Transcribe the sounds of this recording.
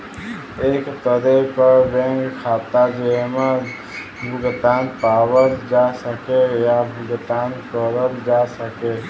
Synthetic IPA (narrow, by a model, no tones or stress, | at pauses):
eːkt̪əd̪epəɾbẽŋkkʰat̪ad͡ʒeme | bʱuɡt̪anpawəld͡ʒasəkejabʱuɡt̪ankəɾəld͡ʒasəke